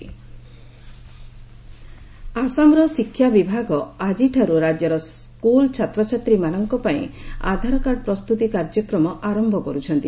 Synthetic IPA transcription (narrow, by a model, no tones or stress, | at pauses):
asamɾɔsikʰːjabibʱaɡɔad͡ʒiʈʰaɾuɾad͡ʒjɔɾɔskult͡ʃʰat̪ɾɔt͡ʃʰat̪ɾimanɔŋkɔpaḭ̃a̰d̪ʱaɾɔkaɽɔpɾɔst̪ut̪ikaɾd͡ʒɔkɾɔmɔʔaɾɔmbʱɔkɔɾut͡ʃʰɔnt̪i